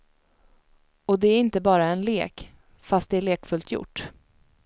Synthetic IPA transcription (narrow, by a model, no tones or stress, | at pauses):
ɔd̪ɛæɾɪnt̪əbɑːɾaɛnleːk | fast̪̚d̪ɛæɭeːkfɵlt̪ʰjʊ̰ʈː